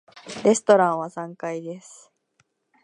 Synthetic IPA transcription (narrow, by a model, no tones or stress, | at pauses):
ɾe̞sɨ̥t̪o̞ɾãɰ̃βasãŋkaid̪e̞sɨ̥